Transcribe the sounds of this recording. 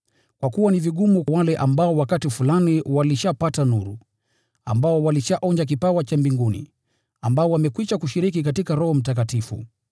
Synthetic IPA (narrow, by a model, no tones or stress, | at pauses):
kwakuwaniviɠumuwalɛʔambaɔwakatifulaniwaliʃapatanuɾṵ | a̰mbaɔwaliʃaʔɔɲd͡ʒak̬ipawat͡ʃambiŋɡunḭ | ambaɔwamɛkwiʃakuʃiɾikikatikaɾɔhɔm̩tak̬atifṵ